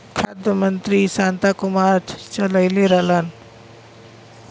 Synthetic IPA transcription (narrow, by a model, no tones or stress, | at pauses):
kʰad̪əmənt̪ɾisãːnt̪akʊmaːɾt͡ʃələjleɾɐlan